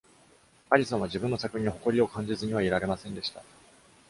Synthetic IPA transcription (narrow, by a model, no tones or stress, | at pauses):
aɾʲisõɰ̃aʑibɯ̟̃nːo̞sakɯ̟ɲiɲoho̞ko̞ɾʲio̞kãɲ̟d͡ʑizɨɲ̟iβaiɾaɾe̞masẽ̞nd̪e̞ɕi̥t̪a